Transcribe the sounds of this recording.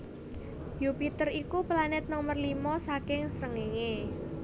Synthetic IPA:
jupit̪ərikuplanɪt̪̚nomərlimɔsakɪŋsəɾəŋeŋe

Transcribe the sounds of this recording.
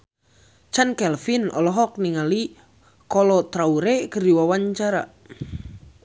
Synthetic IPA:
t͡ʃankɛlfinɔ̰lɔɦɔk̚niŋali | kɔlɔt̪ɾauɾekərdiwawaɲt͡ʃaɾa̰

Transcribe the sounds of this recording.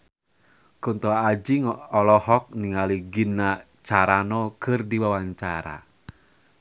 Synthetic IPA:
kunt̪ɔad͡ʒiŋɔlɔhɔk̚niŋaliɡinːa | t͡ʃaɾanɔkɨrdiwawaɲt͡ʃaɾa̰

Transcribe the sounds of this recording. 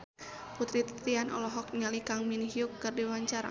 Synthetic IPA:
put̪ɾit̪t̪ianɔ̰lɔɦɔk̚ɲalikaŋminɦiukːɨrdiwaɲt͡ʃaɾa̰

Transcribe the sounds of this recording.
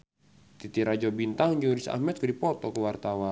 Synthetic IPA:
t̪it̪iɾad͡ʒɔbint̪aŋd͡ʒuɾisa̰hmɛt̪̚kudipɔt̪ɔkəwart̪awa

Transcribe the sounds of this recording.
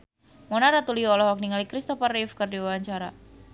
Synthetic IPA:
mɔnaɾat̪uliɔlɔhwak̚niŋalikɾist̪ɔfarifkɨrdiwawaɲt͡ʃaɾa

